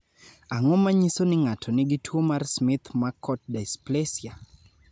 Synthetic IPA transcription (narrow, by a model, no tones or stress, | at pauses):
aŋɔmaɲisonɪŋatʰɔnɪɡɪtʰwomarsmɪt̪makɔt̚dasplesja